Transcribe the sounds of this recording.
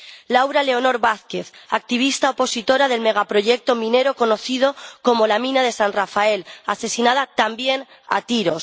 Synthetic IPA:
lawɾale̞o̞no̞ɾβaθke̞θak̚t̪iβ̞ist̪aopo̞sit̪o̞ɾaðe̞lme̞ɣ̞apɾo̞ʝek̚t̪o̞mĩne̞ɾo̞ko̞no̞θið̞o̞ko̞mo̞lamĩnaðe̞sanrafae̞lase̞sinað̞at̪ambje̞n | a̰t̪iɾo̞s

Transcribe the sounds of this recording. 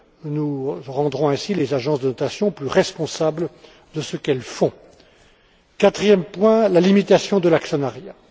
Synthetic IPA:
nuʁɑ̃d̪ʁɔ̃ɛ̃silezaʒɑ̃sd̪ənɔt̪asjɔ̃plyʁɛspɔ̃sablə | d̪əsəkɛlfɔ̃ | kat̪χijɛmpwɛ̃lalimit̪asjɔ̃d̪əlaksənaʁja

